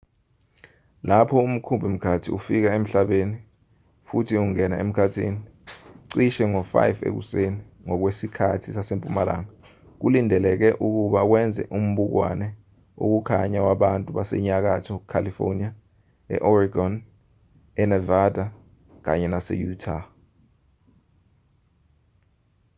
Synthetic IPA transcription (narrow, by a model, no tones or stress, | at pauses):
lapʰɔum̩kʰumbʱim̩kʰatʰiufik̬aem̩ɬaɓeni | futʰiuŋɛnaem̩kʰatʰḭni | ǀiʃɛŋɔfa̰jvḛk̬ṵseni | ŋɔk̬wesikʰatʰisasempʼumala̰ŋa | k̬ulindʱɛlɛk̬ɛʔuk̬uɓak̬wɛnd͡zʱɛ̰ʔum̩ɓuk̬wa̰nɛ | o̰k̬ukʰaɲawaɓantʼuɓasɛ̰ɲak̬atʰɔkʰalifo̰nia | ɛ̰ʔɔriɡɔn | ɛnɛvadʱa | k̬a̰ɲɛnasɛ̰jutʰa